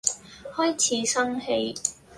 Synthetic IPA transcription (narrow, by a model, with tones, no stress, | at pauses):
hɔː˥jt͡sʰiː˨˥sɐ˥ŋhe˧j